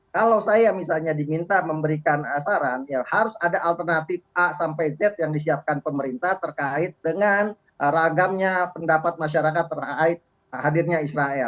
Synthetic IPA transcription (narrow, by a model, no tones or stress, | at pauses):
kalawsajamisalɲadimint̪aməmbəɾikanasaɾanjahaɾʊsadaʔalt̪ərnat̪ɪfʔasampajzɛt̪̚jaŋdis̬iap̚kanpəməɾint̪at̪ərkaɪt̪̚dəŋan | ɾaɡamɲapəndapat̪̚maʃaɾakat̪ːəraɪt̪̚ | hadirɲaisɾaɛl